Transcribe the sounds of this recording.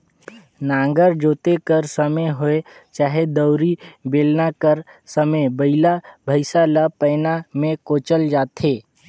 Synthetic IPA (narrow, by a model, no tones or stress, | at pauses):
nãːŋɡəɾd͡ʒoːt̪ekəɾsəməɦoet͡ʃaːɦed̪əʊɾibeːlnakəɾsəmebəɪlabʱəɪsalapəːnamẽkoːt͡ʃəld͡ʒaːt̪ɦeː